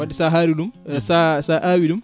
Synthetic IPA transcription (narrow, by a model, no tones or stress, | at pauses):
waɗisaɦaːɾiɗumsasaʔaːwiɗum